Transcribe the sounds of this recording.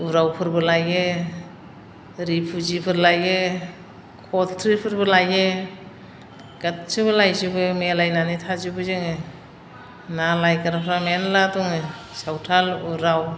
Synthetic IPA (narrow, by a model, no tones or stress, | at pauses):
uɾawpʰɯɾbɯlaje | ɾipʰuzipʰɯɾlaje | kʰɔtʰtʰɾipʰɯɾbɯlaje | ɡatsɯbɯlajzubɯmelajnanitʰazubɯzɯŋɯ | nalajkaɾapʰɾamenlatɔŋɯ | sawtʰaluɾaw